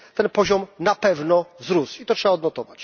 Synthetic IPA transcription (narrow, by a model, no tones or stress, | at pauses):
t̪ɛnpɔʑɔmnapɛvnɔvzɾusit̪ɔtʂɛbaɔd̪nɔt̪ɔvat͡ɕ